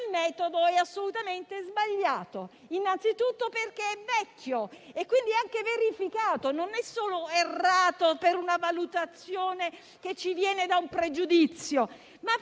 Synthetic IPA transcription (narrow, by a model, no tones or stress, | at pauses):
lmɛːt̪od̪oɛasːolut̪ament̪ezbaʎːaːt̪o | inːant̪sit̪ut̪ːoperkeɛvɛkːjoekːwind̪iaŋkeveɾifikaːt̪ononɛsːoːloerːaːt̪opeɾunavalut̪at̪sjoːne | ket͡ʃːivjɛːned̪aumpɾed͡ʒud̪it̪sːjo | ma